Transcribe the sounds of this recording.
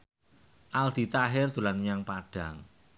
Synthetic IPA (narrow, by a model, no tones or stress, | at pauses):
ʔald̪̥i̤t̪aɦɪrd̪̥ṳlanjaŋpaɖ̥a̤ŋ